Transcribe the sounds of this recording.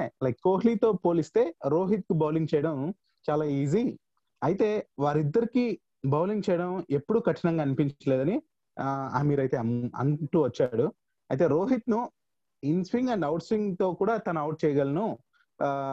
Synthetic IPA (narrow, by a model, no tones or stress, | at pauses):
lɐjkːoːɦliːt̪o̞ːpoːlist̪e̞ːɾo̞ːɦit̪̚kubʱɐwliŋt͡ʃɛjɐɽɐm | t͡ʃaːlaːiːzi | ɐjit̪e̞ːʋaːɾid̪ːɐɾiki | bʱɐːwliɲt͡ʃɐjɐɽɐme̞pːuɽukɐʈʂiɐnɐŋɡaːnipiɲt͡ʃɐleːd̪ɐni | a̰ːmiːɾɐjt̪e̞ːɐ̰nʈuːʋɐt͡ʃːaɽu | ɐjt̪e̞ːɾoːɦit̪nu | inspiŋɡɐɳɖɐwʈsʋiŋɡt̪o̞ːkuːɽaːt̪ɐnɐɐwʈ̚t͡ʃɛːjɐɡɐlɐnu